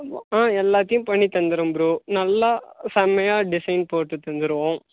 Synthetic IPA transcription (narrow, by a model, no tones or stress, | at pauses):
ãːɛlːaːt̪ːɐjʊ̃pɐɳːit̪ːɐnd̪ɯɾɯmbɾuːnɐlːasɐmɐjaːɖɪsɐɪnpoːʈːɯt̪ɐnd̪ɯɾɯʋõː